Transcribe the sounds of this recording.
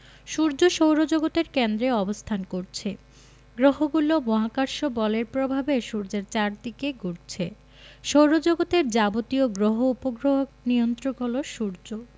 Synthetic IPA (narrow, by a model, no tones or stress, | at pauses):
ʃuɾd͡ʑoʃowɾod͡ʑoɡot̪eɾkend̪ɾeɔbost̪ʰankoɾt͡ɕʰe | ɡɾoɦoɡulomɔɦakaɾʃobɔleɾpɾobʱabeʃuɾd͡ʑeɾt͡ɕaɾd̪ikeɡuɾt͡ɕʰe | ʃowɾod͡ʑoɡot̪eɾd͡ʑabot̪ioɡɾoɦoupoɡɾoɦok̚niont̪ɾoɡoloʃuɾd͡ʑo